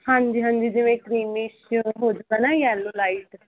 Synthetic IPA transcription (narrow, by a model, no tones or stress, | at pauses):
hãːɲd͡ʒiːɦãːɲd͡ʒiːd͡ʒɪʋẽːkɾiːmiʃɦoːd͡ʒʊɡaːnajɛːlːoːlaiʈ